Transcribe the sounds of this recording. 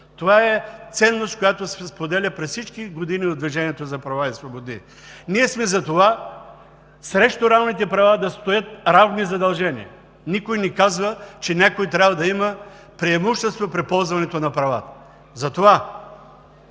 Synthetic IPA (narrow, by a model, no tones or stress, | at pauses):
t̪ovaɛt̪sɛnːost̪̚kojat̪osɛspod̪ɛlʲəpɾɛssit͡ʃkiɡod̪iniod̪viʒɛniɛt̪ozɐpɾɐvaisvobod̪nḭ | niɛsmɛzɐt̪ova | sɾɛʃt̪oɾavnit̪ɛpɾɐvad̪ɐst̪ojət̪̚ɾavnizɐd̪ɐlˠʒɛnḭɛ | nikojnɛkazvət͡ʃɛnʲakojt̪ɾʲabvɐd̪ɐimə | pɾiɛmuʃt̪ɛst̪vopɾɛpɔlˠzvɐnɛt̪onɐpɾɐva̰t̪ə̥ | zɐt̪ova